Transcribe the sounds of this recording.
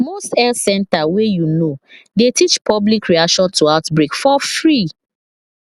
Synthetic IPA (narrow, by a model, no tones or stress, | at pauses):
mostɛlsɛ̃ntawejunodetit͡ʃpʰɔblikɹiaʃɔ̃ntuaʊtbɹikfɔfɹi